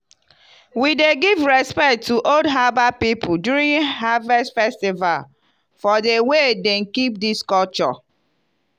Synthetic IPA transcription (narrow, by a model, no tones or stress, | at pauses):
wideɡivɹɛspɛk̚tːuʔodɦabapipʰʊdjuɹĩnɦavɛsfɛstiva̰l | fɔdewedɛ̃nkip̚diskɔlt͡ʃɔ̰